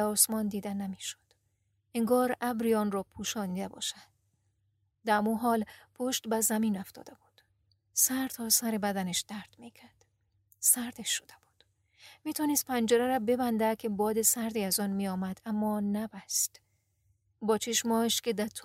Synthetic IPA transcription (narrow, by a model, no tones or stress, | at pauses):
ɒːsmɒːnd̪iːd̪ænæmiʃo̥d̪̥ | eŋɡɒːɾʔæbɾiɒːnrɒːpʰuːʃɒːnid̪æbɒ̰ːʃæd̪ | d̪æmuɦɒːlpʰoʃt̪bæzæmiːnoft̪ʰɒ̰ːd̪ebud̪̥ | sæɾt̪ʰɒːsæɾebæd̪æneʃd̪̥æɾd̪mikʰæɾd̪̥ | sæɾd̪eʃːod̪̥eb̥u̥d̪̥ | miːt̪ʰɒːnest̪̚pʰænd͡ʒeɾæɾæbebænd̪ækʲʰebɒːd̪esæɾd̪iːæzɒnmijɒːmæd̪æmːɒːnæbæst̪ | bɒːt͡ʃʰeʃmɒːeʃkʰed̪æɾt̪ʰ